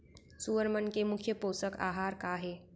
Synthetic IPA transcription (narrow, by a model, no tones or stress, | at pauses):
suʋəɾmənkemukʰjəposəka̰ɦaɾkaɦe